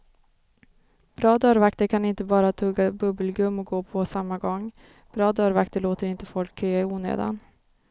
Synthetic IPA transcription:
b̥ɾɑːd̪œːɾvakt̪əɾkʰanɪnt̪əbɑːɾat̪ʰɵːɡabɵbəlɡɵmːɔk̚ɡoːpʰɔsamːaɡɔŋ | b̥ɾɑːd̪œːɾvakt̪əɭoːt̪əɾɪnt̪əfɔlkʰːøːaɪuːnḛːd̪a̰n

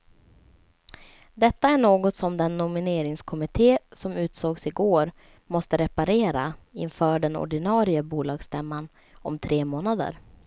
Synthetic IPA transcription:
d̪ɛt̪ːaæɳoːɡɔt̪sɔmd̪ɛnːʊmɪneːɾɪŋskʰɔmɪt̪ʰeːsɔmʉ̟ːt̪soːɡsɪɡoːɾ | mɔst̪əɾɛpaɾeːɾaɪnfœːɖɛnɔ̰ɖɪnɑːɾɪəbuːlɑːɡst̪ɛmːan | ɔ̰mt̪ʰɾeːmoːnad̪ə̰ɾ

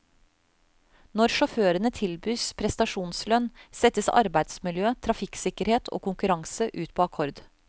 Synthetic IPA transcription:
nɔɾʃɔføːɾənət̪ʰɪlbyːspʰɾɛst̪ɑʃuːnslœnsɛt̪əsɑ̰ɾbæɪd̪smɪljøːt̪ʰɾɑfɪksɪkəɾheːt̪ʰo̰ːkʊŋkʉɾɑŋsəʔʉːt̪pʰoːɑkʰɔɾd̪

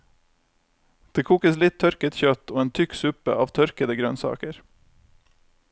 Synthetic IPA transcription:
d̪̥eːkʰuːkəslɪt̪ʰœɾkət̪çœt̪oːeːnt̪ʰʏksʉpə̰ɑːʋt̪ʰœɾkəd̪əɡɾœnsɑ̰ːkəɾ

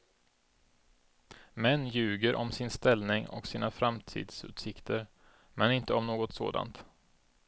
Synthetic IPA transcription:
mɛnːjʉ̟ːɡəɾʔɔmsɪnst̪ɛlnɪŋɔ̰ksiːnafɾamt̪ʰḭːd̪sʉ̟̰ːt̪sɪkt̪ʰəɾ | mɛnɪnt̪əɔmnoːɡɔt̪so̰ːd̪a̰nt̪

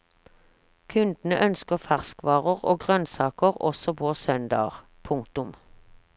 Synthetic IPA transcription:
kʰʉnd̪n̩əʔœnskəʁfæʁskʋɑːʁəʁoːɡʁœnsɑːkəʁɔsɔbʰoːsœnd̪ɑ̰ːʁ | pʰʊŋkt̪ʊm

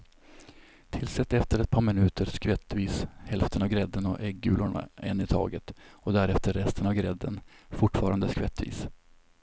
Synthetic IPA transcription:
t̪ʰɪlsɛt̪ːɛft̪əɾɛt̪̚pʰɑːɾmɪnʉ̟ːt̪əɾskvɛt̪ːviːshɛlft̪ʰənavɡɾɛd̪ːənɔ̰ʔɛɡːʉːlʊɳa̰ɛnːɪt̪ʰɑ̰ːɡət̪ɔd̪æɾɛft̪əɾːɛst̪ʰənavɡɾɛd̪ːənfʊʈfɑːɾand̪əskvɛt̪ːvḭːs

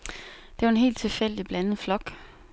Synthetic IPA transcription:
d̥e̝ʋɑ̈e̝nɦe̝̰ːld̥̚t͡sʰe̝lfel̰d̥ib̥lænð̩ˠflɒ̽ɡ̥

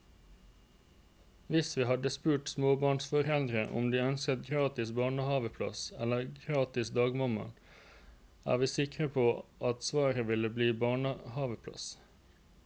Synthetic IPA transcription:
ʋɪsʋiːhɑd̪əspʉːʈsmoːbɑːɳsfɔʁɛld̪ɾəʔʊ̰md̪iːœnskət̪ɡʁɑːt̪ɪsbɑːɳəhɑːʋəpʰlɑ̰sɛləɡɾɑːt̪ɪsd̪ɑːɡmɑmɑ̰n | æ̰ːʋiːsɪkʁəpʰoːʔɑt̪sʋɑːɾəʋɪləbliːbɑːɳəhɑːʋəpʰlɑ̰s

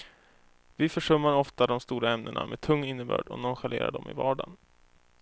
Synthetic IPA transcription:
vɪfœʂɵmːaɾɔft̪ad̪ɔmst̪uːɾaɛmnənɳamɛt̪ʰɵŋːɪnːəbœ̰ːɖɔ̰nɔnɧaleːɾa̰ɖɔmɪ̰vɑːɖan

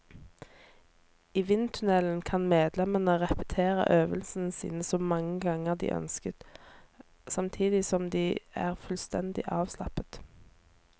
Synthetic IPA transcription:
iːʋɪnt̪ʰʉnɛlən̩kʰɑnmeːd̪lɛmənəʁɛpə̥t̪ʰeːʁə̰ʔøːʋəlsənəsḭːnəsoːmɑŋːəɡɑŋəʁd̪ḭːʔœ̰nskət̪ | sɑmt̪ʰiːd̪ɪsɔmd̪iːæ̰ːʁfʉlst̪ɛnd̪ɪ̰ʔɑːʋslɑpət̪

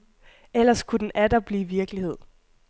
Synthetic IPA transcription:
el̰ɐskʰud̥en̩ʔæd̥ɐb̥liːʋiɐɡ̥əlihe̝ð̰ˠ

